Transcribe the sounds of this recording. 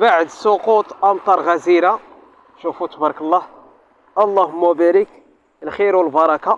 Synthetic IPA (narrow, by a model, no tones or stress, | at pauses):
baʕəd̪soqut̪ˤʔɑmt̪ˤɑɾˤɣæziɾa | ʃufut̪bɑɾˤkəlˤːɑh | ʔɑlˤːɑhmːʊbæɾək | əlxiɾwəlbɑɾˤɑka